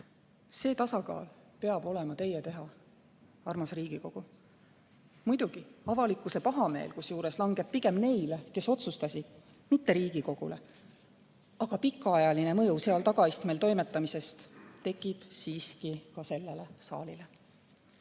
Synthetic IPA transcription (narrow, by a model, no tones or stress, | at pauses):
se̞ːt̪ɑsɑɡɑ̰ːl | pe̞ɑb̥o̞le̞mɑt̪e̞jːet̪e̞ɦɑ | ɑrmɑsriːɡ̥iko̞ɡ̥u | mujd̪uɡ̥iɑvɑlikːˑuse̞pɑɦɑme̞ːlkusjuːɾe̞slɑŋɡ̥e̞b̥̚pːiɡe̞mne̞jleke̞so̞t̪sust̪ɑsʲid̪̥ | mit̪ːeɾiːɡ̥iko̞ɡ̥ṵle̞ | ɑɡ̥ɑpikːˑɑɑjɑline̞mɤjuse̞ɑlt̪ɑɡ̥ɑist̪melt̪o̞jme̞t̪ːˑɑmise̞st̪t̪ːe̞kːˑib̥siːskikɑse̞lːelesɑ̰ːlile̞